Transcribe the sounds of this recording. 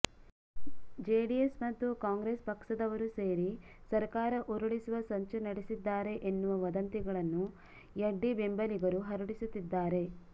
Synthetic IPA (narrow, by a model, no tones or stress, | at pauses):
d͡ʒeːɖijesmɐt̪ːukaːŋɡɾespɐkʂɐd̪ɐʋɐɾuse̞ːɾi | sɐɾkaːɾɐʔuɾuɭisuʋɐsɐɲt͡ʃunɐɽesid̪ːaːɾe̞ʔenːuʋɐʋɐd̪ɐnt̪iɡɐɭɐnːu | jɐɖːibembɐliɡɐɾuɦɐɾuɽisut̪ːid̪ːaːɾe̞